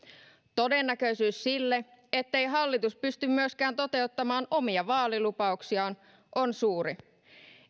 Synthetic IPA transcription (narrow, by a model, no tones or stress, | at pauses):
t̪o̞denːækø̞isyːssilːe | et̪ːe̞jɦɑlːit̪uspyst̪ymmyøskæːnt̪o̞t̪e̞ut̪ːɑmɑːnʔo̞miɑʋɑːlilupɑuksiɑn | ʔo̞nsuːɾi